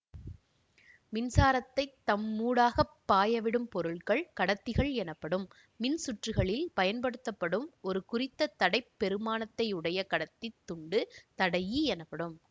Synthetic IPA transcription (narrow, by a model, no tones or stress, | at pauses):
mɪnsaːɾɐt̪ːɐɪt̪ːɐmːuːɽaːɣɐpːaːjɐʋɪɽɯmpɔɾɯɭkɐɭkɐɽɐt̪ːɪɣɐɭɛnɐpːɐɽɯmː | ɪnsʊʈrɯɣɐɭɪlpɐjɐnpɐɽɯt̪ːɐpːɐɽɯmɔɾɯkʊɾɪt̪ːɐt̪ːɐɽɐɪpːɛɾɯmaːnɐt̪ːɐɪʊɽɐjɐkɐɽɐt̪ːɪt̪ːʊɳɖɯt̪ɐɽɐjiɛnɐpːɐɽɯm